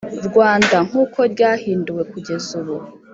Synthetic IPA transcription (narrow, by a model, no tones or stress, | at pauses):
ɾɡwaːndaŋ̥uːkʰo̞ɾɟaːhiːnduwe̞kuɟe̞zuβu